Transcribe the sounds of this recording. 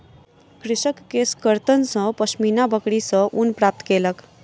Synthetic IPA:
kɾɪsəkːeskəɾt̪ənsʌ̃pəsminabəkɽisə̃ʔunpɾaːp̚t̪keːlək

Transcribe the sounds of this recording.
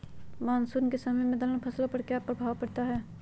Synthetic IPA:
maːnsuɾnkesɐməjmẽd̪ɐlənpʰɐslapɐɾkeaːpːɾɐbʱaːwpɐɽt̪aɦɛː

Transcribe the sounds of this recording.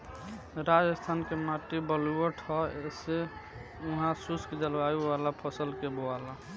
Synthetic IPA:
ɾad͡ʒəst̪ʰankemaʈibəluəʈʰɔese | uɦãsuskd͡ʒəlbaiʋalapʰəsəlkeboala

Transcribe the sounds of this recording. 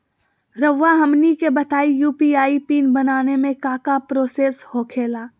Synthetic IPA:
ɾəʋːaɦɐmnikebɐt̪aːijuːpiaːipiːnbɐnaːnemẽkaːkapɾoːseːshoːkʰeːlaː

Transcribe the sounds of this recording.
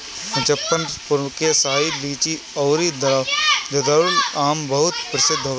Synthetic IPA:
ɪt͡ʃɐpːənpʊɾmkesaailiːt͡ʃi | ɔːɾid̪ɐɾaːd͡ʒɐd̪ɐɾʊlaːmbɐɦʊt̪pɾɐsɪd̪ʱːo

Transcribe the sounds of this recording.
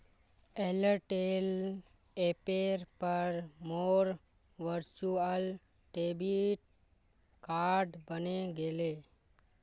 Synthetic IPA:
eləɾʈel | epeɾpəɾmoːɾ | ʋəɾt͡ʃuəl | ʈebiʈ̚ | kaɾɖbəneɡele

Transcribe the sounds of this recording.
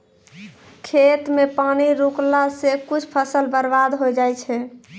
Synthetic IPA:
kʰet̪mepaniɾuklasekut͡ʃʰpʰəsəlbəɾbad̪ɦojd͡ʒajt͡ʃʰɛ

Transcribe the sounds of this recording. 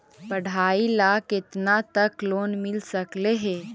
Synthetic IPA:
pəɽ̤ʱaːilaːkɪt̪nat̪əkloːnmɪlsəkleɦɛː

